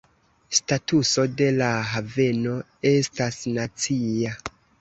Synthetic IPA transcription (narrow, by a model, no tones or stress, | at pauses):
statuso̞de̞laɦave̞no̞ | e̞stasnat͡sia